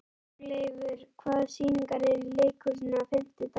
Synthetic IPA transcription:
lejvʏɾ̥kʰvaːðsiːniŋkaɾɛɾilejkʏɾnafɪn̥t̪ɪt̪

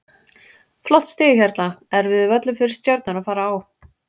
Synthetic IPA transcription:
flɔht̪st̪ɪːjɪçɛɾt̪laɛɾvɪðʏvœt̪lʏfɪɾɪɾ̥st̪jœɾt̪nʏnaðfaːɾaːw

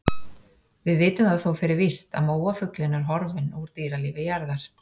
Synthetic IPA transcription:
vɪðvɪːt̪ʏmaðθowfɪɾɪɾvɪst̪a̰ðmoːwafʏklɪnːaɾ̥ɦɔɾvɪnɔɣɾ̥t̪iːɾalɪːvɪjaɾðaɾ̥

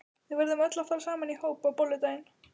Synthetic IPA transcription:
θɪvɛɾðʏmœt̪lafalsaːmanihoːwpawpɔlːʏt̪ajn

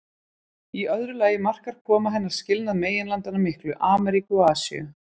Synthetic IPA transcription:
iœðɾʏlaːjɪmar̥kaɾ̥kʰɔːmaɦɛnːaɾ̥scɪlnaðmeːjɪnlant̪anamɪhklʏʔaːmɛɾikʏaːsḭʏ̰

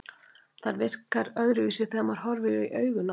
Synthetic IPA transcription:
θaɾvɪr̥kaɾœɣɾɪviːsɪθɛmaɾ̥hɦɔɾvɪʏiʔœːɥɣʏna

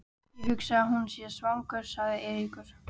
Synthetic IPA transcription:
ɪɦʏksaaɦunsjɛsvaŋkʏɾ̥saɣðɪʔɛːvikʏɾ̥

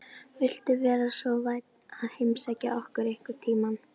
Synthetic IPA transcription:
vɪl̥t̪ʏvɛːɾasvɔvaːjt̪naðhejmsajcɪ̰ʔɔhkʏɾejhkʏɾ̥t̪ʰiːman

